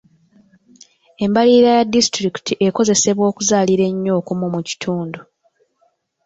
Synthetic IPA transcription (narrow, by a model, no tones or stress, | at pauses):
e̞mbaliːɾajadːistɾiki̥tiʔe̞ko̞ze̞se̞βwo̞ːkuzaːliɾe̞ɲːo̞ːkumumuci̥tʰuːndu